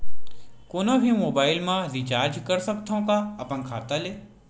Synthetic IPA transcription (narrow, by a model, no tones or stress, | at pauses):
koːnobʱimoːbaːɪlmãɾit͡ʃaːɾd͡ʒkɐɾsɐk̚t̪ʰõkaɐpənkʰaːt̪aleː